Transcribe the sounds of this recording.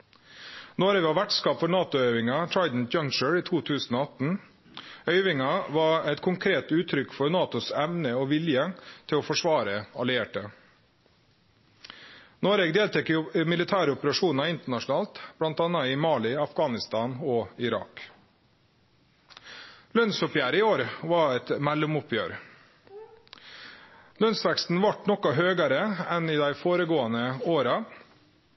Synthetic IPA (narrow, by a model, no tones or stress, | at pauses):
noːɾɛɡɑʋæʈskɑːpfɔɾnɑːt̪ʊœʏʋɪŋɑt̪ʰɹɑɪd̪n̩d͡ʒɑŋt͡ʃəɹiːt̪ʰuːt̪ʰʉːsn̩oːɑt̪n̩ | œʏʋɪŋɑʋɑɛt̪kʰʊŋkʰɾeːt̪ʉːt̪ʰɾʏkfɔɾnɑːt̪ʊsɛmnəoːʋɪljət̪ʰɪloːfɔʂʋɑːɾəɑlɪeːʈə | noːɾeɡd̪eːlt̪ʰɛkːəmɪlɪt̪ʰæːɾəɔpəɾɑʂuːnɑɪnt̪əɳɑʂn̩ɑːlt̪b̥lɑnt̪ɑːnɑɪmɑːlɪɑfɡɑːnɪst̪ɑːnɔɪɾɑ̰k | lœnsʊpjæːɾɪoːɾʋɑɛt̪mɛlːʊmʊpʰjøːɾ | lœnsʋɛkst̪n̩ʋɑʈnɔkɑɦøːɡɑɾəɛniːd̪æɪfoːɾəɡoːɑnəoːɾɑ